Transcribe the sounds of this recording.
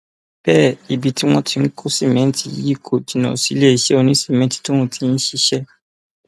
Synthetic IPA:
b̥ɛ˦˨i˨bi˨ti˦w̃ɔ̃˧tʰi˧˦n̩˦kʰu˦si˦˨mɛ̃˨˦n̩˦ti˦ji˦˨kʰo˨di˨nɔ̰̃˨si˨˦le˦i˨ʃɛ˦o˧nĩ˦si˦˨mɛ̃˨˦ti̥˨to˦w̃ɔ̃˧tʰi˨˧n̩˦ʃi˦ʃɛ˦

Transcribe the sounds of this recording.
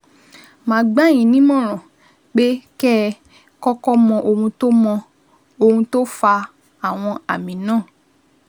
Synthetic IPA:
mãː˨˦ɡ͡ba˦˨j̃ĩ˨˦nĩ˦mɔ̃˦˨ɾ̃ɔ̃˨ | k͡pe˦kɛ˦ | kɔ˦kɔ˦mɔ̃˧ʔo˧hũ˧to˦mɔ̃˧ | o˧hũ˧to˦fa˧ | a˨w̃ɔ̃˧a˨mĩ˨˦nãː˦˨

